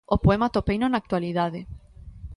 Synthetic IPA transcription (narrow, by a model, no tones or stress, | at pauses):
opoemat̪opejnonak̚t̪waliðaðe